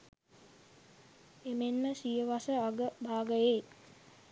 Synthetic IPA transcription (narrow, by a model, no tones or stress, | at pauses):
emenməsijəʋasəaɡəbaːɡəjeː